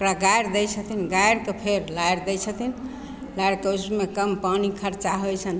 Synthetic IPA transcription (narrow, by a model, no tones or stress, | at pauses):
okɾaɡajɾd̪ɛjt͡ʃʰət̪ʰinɡajɾkepʰeɾlajɾd̪ɛjt͡ʃʰət̪ʰin | lajɽkeusmekəmpanikʰəɾt͡ʃaɦojt͡ʃʰən